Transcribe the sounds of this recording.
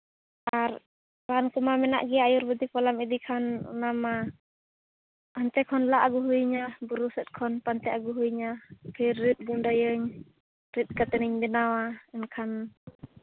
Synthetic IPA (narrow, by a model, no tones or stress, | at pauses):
ʔar | ɾankumamɛna̰ʔɡiajurbəd̪ipɔlamid̪ikʰanːama | hant̪ɛkʰɔnlaʔːɡuɦuiɲabuɾusɛt̪̚kʰɔnpant̪ɛaɡuɦuiɲakʰəit̪̚ɡundɔjəɲ | rit̪̚kat̪əniɲdinawaənkʰan